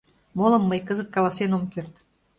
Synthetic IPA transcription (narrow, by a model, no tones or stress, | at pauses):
molɤ̆mːəjkəzət̪̚kɑlɑsenomkert̪